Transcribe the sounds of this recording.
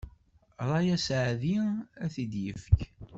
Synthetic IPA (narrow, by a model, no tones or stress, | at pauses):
ɾˤɑjæsʕðiæθid̪jəfək